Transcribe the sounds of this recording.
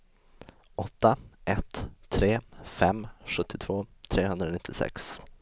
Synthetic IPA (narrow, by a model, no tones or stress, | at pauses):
ʔɔt̪ːaʔɛt̪ʰːɾeːfɛmːɧɵt̪ʰːɪt̪ʰv̥oːt̪ʰɾeːɦɵnd̪ɾanɪt̪ʰːɪsɛ̰ks